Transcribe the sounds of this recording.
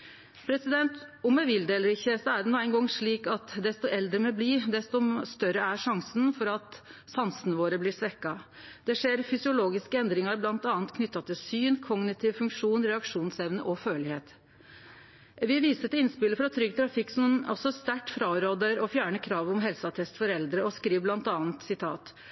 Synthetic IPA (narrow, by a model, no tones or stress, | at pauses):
pʰɾɛsɪd̪ɛnt̪ʊmɛʋɪld̪eːləɾɪçːəsɔæɖɛnuːæɪnɡɔŋʂɭiːkɑt̪d̪ɛst̪ɔʔɛld̪ɾəmɛbliːd̪ɛst̪ɔst̪œɾəæʂɑŋsən̩fɔɾɑt̪sɑnsənəʋoːɾəblɪsʋɛkːɑ | d̪̥ɛʂeːɾfʏsɪʊloːɡɪskəɛnd̪ɾɪŋɑɾblɑnt̪ɑːnt̪kʰnʏt̪ːɑt̪ʰɪlsyːnkʰɔɡnɪt̪ʰɪʋfʉŋkʂuːnɾɛɑkʂuːnsɛʋnəʔɔføːlɪheːt̪ | ʋɪʋiːsət̪ɪnspɪləfɾɑt̪ʰɾʏɡət̪ʰɾɑfɪkːsɔnɔ̰sɔst̪æʈfɾɑːɾoːd̪əɾɔfjæːɳəkʰɾɑːʋɔmɦɛlsɑt̪ʰɛst̪fɔɾɛld̪ɾəɔskɾiːʋblɑnt̪ɑːnt̪sɪt̪ʰɑ̰ːt̪